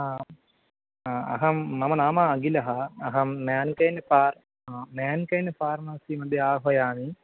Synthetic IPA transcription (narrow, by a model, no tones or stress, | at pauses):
aː | aɐ̰ɦɐːɐmɐnaːmɐːɡilɐɦɐːɦɐmːaːnkɐjnːfaːr | amaːnkɐjnːfaːɾmɐsimɐd̪ʱjeaːɦʋɐjaːni